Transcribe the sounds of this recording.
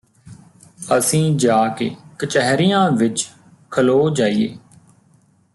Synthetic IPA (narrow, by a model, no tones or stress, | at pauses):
əsĩːd͡ʒaːkḛːkət͡ʃɛɦɾijãːʋɪt͡ʃ | kʰəloːd͡ʒaːijḛː